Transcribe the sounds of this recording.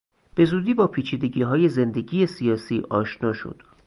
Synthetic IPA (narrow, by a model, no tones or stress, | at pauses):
b̥e̞zuːd̪iːbɒːpʰiːt͡ʃʰiːd̪e̞ɟiːɦɒːje̞ze̞nd̪e̞ɡiːjesijɒːsiːʔɒːʃnɒːʃo̰d̪̥